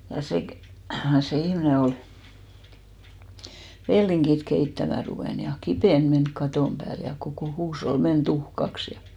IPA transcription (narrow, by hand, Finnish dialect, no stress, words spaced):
jɑ se kĕ se ihmĭne ol ʋelːiŋkit keitːæmæ ruʋeˑn jɑ kipeˑn menk kɑtoˑm pæːl jɑ kokoˑ huːshol men tuhkɑks jɑ